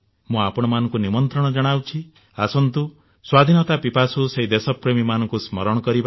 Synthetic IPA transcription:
mũapɔɽ̃ɔmanɔ̃ŋkunimɔnt̪ɾɔɽ̃ɔd͡ʒɔɽ̃awt͡ʃʰi | asɔnt̪u | swad̪ʱinɔt̪apipasuseɦid̪esɔpɾemimanɔŋkusmɔɾɔɽ̃ɔkɔɾiba

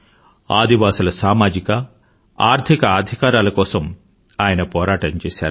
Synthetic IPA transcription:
aːd̪iʋaːsulɐsaːmaːd͡ʒikɐ | aːɾt̪ʰikɐaːd̪ʱikaːɾaːlɐkɔːsɐm | aːjɐnɐpɔːɾaːʈɐɲt͡ʃɛːsa̰ːɾu

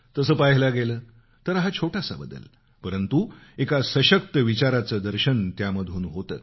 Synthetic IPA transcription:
t̪əsəːpaɦilaɡeləː | t̪əɾɦat͡ɕʰoʈasa̰bəd̪ːə̰l | pəɾənt̪uekasəɕək̚t̪əʋit͡ɕaɾat͡səd̪əɾɕənt̪jaməd̪ʱuːnɦot̪ə̰ː

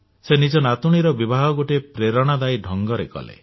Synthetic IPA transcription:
senid͡ʒɔnat̪uɽ̃iɾɔbibʱaɦɔɡoʈepɾeɾɔɽ̃ad̪ajɖʱɔŋɡɔɾekɔ̰lḛ

